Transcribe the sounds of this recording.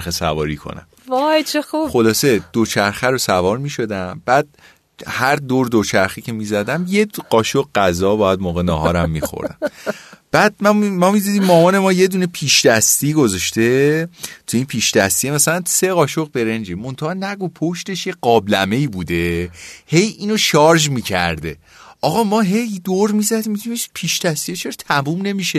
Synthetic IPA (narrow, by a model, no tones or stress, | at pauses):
ɾxesævɒ̰ːɾikʰo̰næ̰m | vɒjt͡ʃʰexuxo̞lɒːse̞d̪̥ot͡ʃʰæɾxæɾosævɒːɾmiʃo̞d̪æmb̥æːd̪̥̚ | hæɾd̪oɾd̪ot͡ʃʰæɾxicʰe̞mizæd̪æmje̞ɢɒːʃoqɢæzɒːbɒːjæd̪moːɣenɒːɦɒːɾæmːixo̰ɾd̪æ̰mb̥æːd̪̥̚mæmɒmid̪id̪imːɒːmɒːne̞mɒːje̞d̪uːnepʰiːʃd̪̥æst̪iːɡo̞zɒʃt̪e̞t̪ʰuiːnpʰiːʃd̪̥æst̪iemæsælænt̪se̞ɣɒːʃoɣbe̞ɾend͡ʒemo̞nt̪ʰɑhːnæɡopʰo̞ʃt̪e̞ʃje̞ɢɒːblæme̞iːbud̪e̞he̞jiːnoʃɒːɾʒmiːcʰæ̰ɾd̪e̞̰ | ʔɒɣɒːmɒːɦe̞jd̪oɾmizæd̪iːmːid̪imiʃpʰiʃd̪æst̪ijet͡ʃʰeɾt̪ʰæmumne̞miʃe